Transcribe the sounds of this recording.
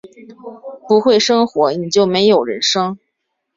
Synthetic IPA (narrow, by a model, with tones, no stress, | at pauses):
pu˧˥xwe˥˩ɪʂɤ˥ŋxwɔ˧˥ni˨˩t͡ɕjo˥˩ʊme˧˥ɪjo˨˩ʊɻə̰˧˥nʂɤ˥ŋ